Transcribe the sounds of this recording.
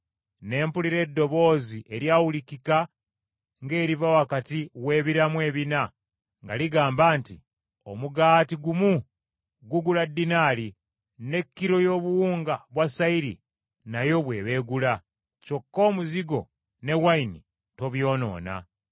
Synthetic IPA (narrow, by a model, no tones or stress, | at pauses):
ne̞ːmpuliɾe̞dːo̞βo̞ːziʔe̞ɾjawulikika | ŋɡe̞ːɾivawakatiwe̞ːβiɾamwe̞ːβina | ŋɡa̰liɡaːmbaːnti | o̞̰muɡaːtiɡumu | ɡuɡuladːinaːli | ne̞kːiɾo̞jo̞ːβuwuːŋɡaβwasaiɾḭ | najo̞βwe̞ːβe̞ːɡula | co̞kːo̞ːmuziɡo̞ | ne̞waini | to̞βjo̞ːno̞̰ːna̰